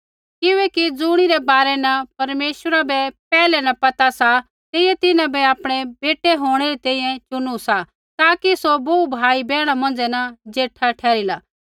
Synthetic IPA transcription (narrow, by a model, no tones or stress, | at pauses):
kɪʋɛkid͡zʊɽ̃iɾɛbaːɾɛnɐpɐɾmeːʃwəɾabɛpɛːlɛnɐpɐt̪asa | t̪ejɛt̪ɪnãbɛaːpɽ̃ɛbeːʈɛɦoːɽ̃ɛɾit̪ɛ̃ːĩːɛ̃t͡ʃʊnusa | t̪aːkisoboːubʱaːibɛːɽ̃amɐ̃nd͡zɛnɐd͡ʒeːʈʰːaʈʰɛːɾilaː